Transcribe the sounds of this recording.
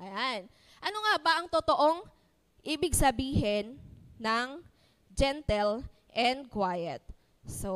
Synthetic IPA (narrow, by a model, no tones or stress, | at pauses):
ʔɐjan | ʔɐnoŋabɐʔɐŋt̪ot̪oʔo̞ŋ | ʔɪbɪɡsɐbiːɦɛnːɐŋ | d͡ʒɛnt̪ɛl | ʔɛnd̪̚kwajɛt̪̚ | so